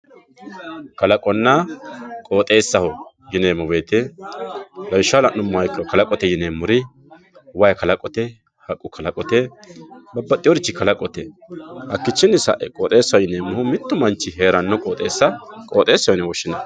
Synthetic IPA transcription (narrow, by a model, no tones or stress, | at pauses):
kɐlɐkʼɔnːɐkʼo̞ːt̪ʼe̞ːsːɐhɔ | jɪneːmɔbe̞ːt̪ɛ | lɐwɪʃːaːlɐnnʊmːʊhɐjkːɪɾɔkɐlɐkʼɔt̪ɛjɪneːmːʊɾɪ | wɐjkɐlɐkʼɔt̪ɛ | hɐkʼːʊkʰɐlɐkʼɔt̪ɛ | bɐbːɐt̪ʼɪjoɾɪt͡ʃːɪkɐlɐkʼɔt̪ɛhɐkːɪt͡ʃːɪnːɪsɐ̰ʔɛkʼoːt̪ʼe̞ːsːɐhɔjɪneːmːʊhʊmɪt̪ːʊmɐnt͡ʃːɪɦe̞ːɾɐnːɔkʼoːt̪ʼe̞ːsːɐkʼoːt̪ʼe̞ːsːɐhɔnɛwɔʃːɪnɐ